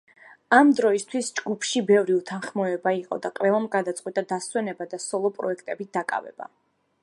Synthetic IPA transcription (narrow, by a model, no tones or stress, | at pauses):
amd̪ɾɔist̪ʰwisd͡ʒɡupʰʃibɛvɾiut̪ʰanχmɔɛbaiqʼɔ̰d̪aqʼwɛlˠamɡad̪at̪sʼqʼwit̪ʼad̪aswɛnɛbad̪asɔlˠɔpʼɾɔ̰ɛkʰt̪ʼɛbit̚d̪̥akʼa̰vɛ̰b̥a̰